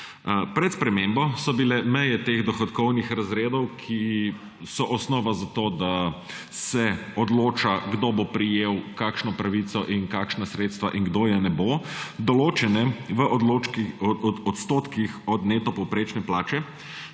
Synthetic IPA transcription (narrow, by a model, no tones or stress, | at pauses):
pɾɛt̪spɾɛmembɔsɔbilɛmɛjɛt̪eːɣd̪ɔxɔt̪kɔwnixɾazɾeːd̪ɔwkʰi | sɔʔɔsnɔːʋazat̪oːd̪a | sɛɔd̪loːt͡ʃaɡd̪obopɾijeːwkakʃnɔpɾaʋit̪sɔʔinkakʃnasɾeːt̪st̪ʋaʔiŋɡd̪oːjɛnɛbod̪ɔloːt͡ʃɛnɛʋəʔɔd̪lo | ɔt̪st̪oːt̪kixɔd̪neːt̪ɔpɔwpɾeːt͡ʃnɛplaːt͡ʃɛ